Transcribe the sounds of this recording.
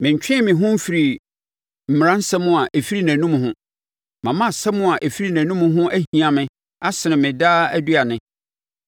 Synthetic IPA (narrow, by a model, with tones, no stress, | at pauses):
mɪ̃˨ɲ̩˨t͡ɕᶣɪ̃˦mɪ̃˨ɦʊ̃˦m̩˦fi˨ɾi˨ | m̩˨m˨ã˦n̩˦sɛ˦mʊ̃˦a˨ʔe˨fi˦ɾi˦næ̃˨nũ˦m̃˨hʊ̃˦ | mã˨mã˦˨sɛ˦mʊ̃˦a˨ʔe˨fi˦ɾi˦næ̃˨nũ˦mʊ̃˦ɦʊ̃˦ʔæ˦hĩ˨ã˨mɪ̃˨ | a˦sɪ˨nɪ̃˨mɪ̃˨daː˦æ˦dɥa˨nɪ̃˨˦